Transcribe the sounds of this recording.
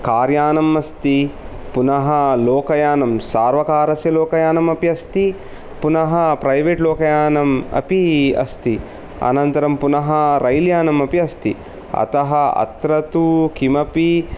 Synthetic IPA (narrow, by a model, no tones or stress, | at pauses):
kaːɾjaːnɐmɐst̪i | punɐɦɐloːkɐjaːnɐmsaːɾʋɐkaːɾɐsjɐloːkɐjaːnɐmɐpiɐst̪i | punɐɦɐ̆pɾɐjʋeːʈloːkɐjaːnɐmɐ̰piɐ̰st̪i | ɐ̰nɐnt̪ɐɾɐmpunɐɦɐɾɐjljaːnɐmɐpiɐst̪i | ɐ̰t̪ɐɦɐɐ̰t̪ɾɐt̪ukimɐpi